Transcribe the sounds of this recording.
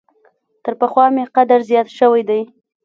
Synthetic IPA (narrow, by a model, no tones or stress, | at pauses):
t̪əɾpəxwɑmeqad̪aɾzjɑt̪ʃəwajd̪aj